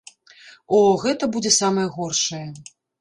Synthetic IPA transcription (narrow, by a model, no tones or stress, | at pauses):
ɔɣɛt̪ɐbud͡zʲɛsamɐjɐɣɔrʂɐjɛ